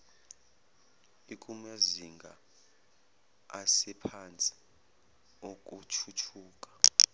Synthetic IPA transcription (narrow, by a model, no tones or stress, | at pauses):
ikʼumujaziŋɡʱa | asɛpʰant͡sʼi̥ | okʼut͡ʃʰut͡ʃʰuːkʼḁ